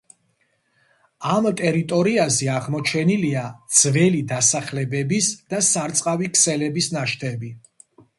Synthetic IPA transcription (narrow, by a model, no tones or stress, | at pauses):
amt̪ʼɛɾit̪ʼɔɾiazɛaʁmɔt͡ʃʰɛniliadd̪z̥vɛlid̪asaχlɛbɛbisd̪̥asaɾt̪sʼqʼavikʰsɛlɛbisnaʃt̪ʰɛbi